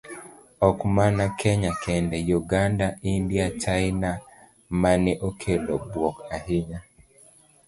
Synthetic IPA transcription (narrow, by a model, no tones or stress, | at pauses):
ɔkmanakʰɛɲakʰɛndɛjuɡandaʔindiat͡ʃajna | manɛʔokʰelɔbwɔkahiɲa